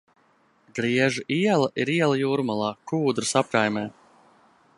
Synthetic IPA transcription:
ɡɾiɛʒɨʔiɛlˠɐʔiɾiɛlˠɐjuːɾmalˠɑːkuːd̪ɾɨsap̚kajmʲɛː

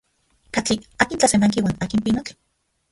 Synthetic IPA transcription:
kat͡ɬiaːkint͡ɬasenaŋkiwaːnaːkimpinok

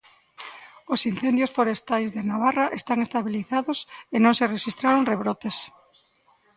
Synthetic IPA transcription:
osin̟θend̪josfoɾest̪ajzðenaβ̞araʔest̪aŋest̪aβiliθaðosenõŋsereʃist̪ɾaɾoŋreβɾot̪es

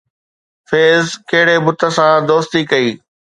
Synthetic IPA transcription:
feːzkɐɦɪɽebʊt̪ʰə̆sãd̪oːst̪ikɐiː

